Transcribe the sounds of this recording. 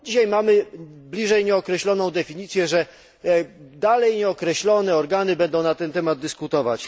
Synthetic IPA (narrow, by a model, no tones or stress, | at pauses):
d͡ʑiɕajmamɘblʲiʐɛjɲɛɔkɾɛɕlɔnɔ̃w̃d̪ɛfʲiɲit̪sʲjɛʐɛ | d̪alɛjɲɛɔkɾɛɕlɔnɛɔɾɡanɘbɛnd̪ɔ̃w̃nat̪ɛnt̪ɛmad̪̚d̪ɘskut̪ɔvat͡ɕ